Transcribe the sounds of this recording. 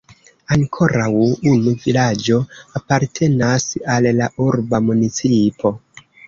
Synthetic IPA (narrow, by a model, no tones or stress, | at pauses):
aŋkʰo̞ɾawunuvilad͡ʒo̞apaɾtʰe̞nasalːaʔuɾbamunit͡sipʰo̞